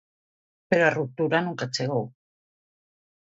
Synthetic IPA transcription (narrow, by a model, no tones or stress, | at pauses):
peɾarut̪uɾanuŋkat͡seɣo